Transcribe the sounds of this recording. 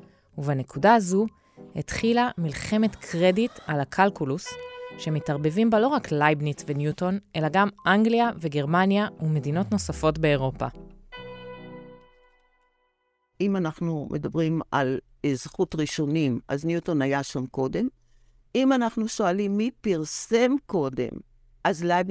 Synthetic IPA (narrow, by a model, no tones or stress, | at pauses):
uvane̞kudaːzu | hḛt̪χilamilχe̞me̞tkʰʁeditalakʰalkulusʃe̞mitaʁbe̞vimbalo̞ʁaklajbnitvenjuto̞nʔe̞laɡamʔaŋɡliave̞ɡe̞ʁmanjaume̞dino̞tno̞safo̞tbe̞ːʁo̞pa̰ | ʔimanaχnumʔedabʁima̰l | ezχutʁiʃo̞nimʔa̰znjutonajaʃamko̞de̞m | imanaχnuʃoalimːipiʁsemko̞de̞̰m | ʔazlajb